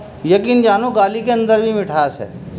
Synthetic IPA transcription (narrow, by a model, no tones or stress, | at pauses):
jəkiːnd͡ʒaːnoɡaːlikeə̃nd̪əɾbʱimɪʈʰaːsɛ̰ː